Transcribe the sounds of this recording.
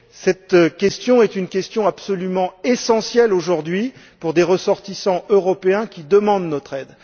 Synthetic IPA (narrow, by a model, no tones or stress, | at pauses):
sɛt̪kʲɛst̪jɔ̃ɛt̪ynkʲɛst̪jɔ̃apsɔlymɑ̃esɑ̃sjɛloʒuʁd̪ɥi | puʁd̪eʁəsɔʁt̪isɑ̃ʔøʁɔpeɛ̃kʲid̪əmɑ̃d̪nɔt̪χɛd̪